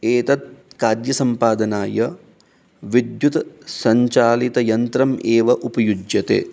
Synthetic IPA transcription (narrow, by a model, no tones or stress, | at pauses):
eːt̪ɐt̪̚kaːd̪jɐsɐmpaːd̪ɐnaːjɐ | ʋid̪jut̪sɐɲt͡ʃaːlit̪ɐjɐnt̪ɾɐmʔeːʋɐʔupɐjud͡ʒjɐt̪ḛː